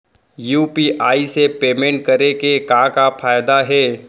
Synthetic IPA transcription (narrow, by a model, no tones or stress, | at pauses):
juːpiʔaːisepeːmẽɳʈ̚kɐɾekekãːkafʰaːjd̪aɦɛː